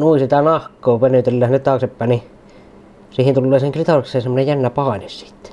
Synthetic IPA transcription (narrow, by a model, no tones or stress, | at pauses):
nuisit̪ɑnɑhkːˑoːpenyt̪elːæːhnet̪t̪ɑːˑksepːæːˑnni | siːhint̪ulːeːseŋkrit̪ɑreksˑeːsemːonejænːæpɑˑenessi̥t̪ː